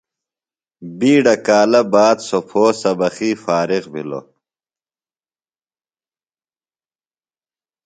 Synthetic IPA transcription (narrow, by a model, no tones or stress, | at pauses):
biːɖɐkaːlɐbaːd̪sopʰoːsɐbɐxiːfaːɾiɣbḭlo̰